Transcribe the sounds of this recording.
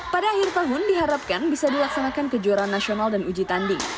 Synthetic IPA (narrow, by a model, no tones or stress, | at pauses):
padaːhɪrt̪aɦʊndiɦaɾap̚kanbisadilak̚sanakankəd͡ʒuaɾanːasionaldanud͡ʒit̪andɪŋ